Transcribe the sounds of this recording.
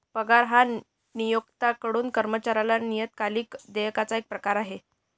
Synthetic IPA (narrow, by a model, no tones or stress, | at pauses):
pəɡaɾɦa | nijoɡt̪akəɽuːnkəɾmət͡ɕaɾalanijət̪̚kaliːkd̪ejkat͡saek̚pɾəkaɾaɦe